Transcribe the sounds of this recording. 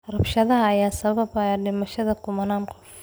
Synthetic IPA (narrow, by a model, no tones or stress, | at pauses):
rɐbʃɐðɐɦɐːjaːsɐβɐbɐɛɖɪmɐʃɐðɐkʰʊmɐnaːnqɔf